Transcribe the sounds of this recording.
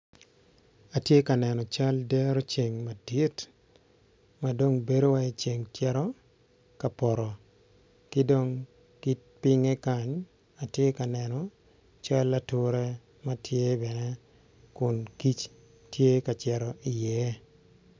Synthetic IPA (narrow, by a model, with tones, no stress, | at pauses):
a˨tje˦ka˨nɛ˨nɔ˨t͡ʃa˦ldɛ˦ɾo˦t͡ʃe˨ŋma˨di˦t | ma˨do˦ŋbe˦do˦wa˦e˦t͡ʃe˨ŋtjɛ˦ɾɔ˦ | ka˨pɔ˨ɾɔ˨ | kɪ˦do˦ŋ | ki˦t̚pɪ˦ŋɛ˦ka˦ɲ | a˨tje˦ka˨nɛ˨nɔ˨ | t͡ʃa˦lːa˦tʊ˦ɾɛ˦ | ma˦tʰje˦bɛ˨nɛ˦ | kʊ˨nki˦t͡ʃ | tje˦ka˨t͡ʃɛ˨ɾɔ˨ʔɪ˨jɛ˦